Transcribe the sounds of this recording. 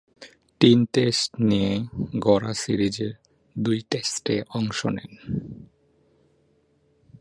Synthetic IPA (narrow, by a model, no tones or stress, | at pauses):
ʈinʈesʈnijeɡɔɾasiɾid͡ʑeɾ | d̪ujʈesʈeɔŋʃonḛn